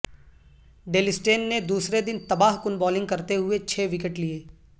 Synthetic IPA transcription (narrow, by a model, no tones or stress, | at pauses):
ɖeːlɪsʈeːnːed̪uːsɾed̪ɪnt̪ɐbaːɦkʊnbɔːlɪ̃ŋɡkɐɾt̪eɦʊet͡ʃʰeːʋɪkəʈlieː